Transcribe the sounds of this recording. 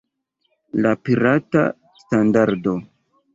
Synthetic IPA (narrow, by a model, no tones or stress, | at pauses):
lapiɾata̰ | standaɾdo̞